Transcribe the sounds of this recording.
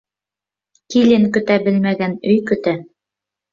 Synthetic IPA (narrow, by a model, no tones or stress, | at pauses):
kilɘŋkɵ̆t̪æbɘ̆lmæɡænɵjkɵ̆t̪æ